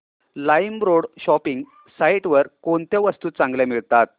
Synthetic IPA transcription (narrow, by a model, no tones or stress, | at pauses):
lajmɾoɽɕɔpiŋɡ | saiʈʋəɾkoɳt̪jaʋəst̪uːt͡sãŋɡljamiɭt̪at̪̚